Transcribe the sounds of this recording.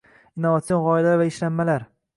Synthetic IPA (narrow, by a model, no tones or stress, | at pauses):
ɪnːovat̪sionʁɒjɪlaɾvaɪʃlamːalaɾ